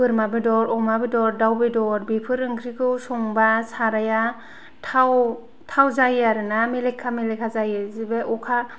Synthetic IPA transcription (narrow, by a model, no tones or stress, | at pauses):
pɯɾmabɯdɔɾɔmabedɔɾdawbedɔɾbipʰɯɾɯŋkʰɾikʰɯwsɔŋbasaɾaja | tʰaw | tʰawzajaɾɯnamelekʰːamelekʰazajɯzibeɔkʰa